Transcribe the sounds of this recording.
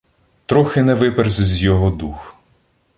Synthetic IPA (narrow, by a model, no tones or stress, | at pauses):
t̪ɾɔxɪnɛʋɪpɛrzʲzʲjɔɦɔd̪ux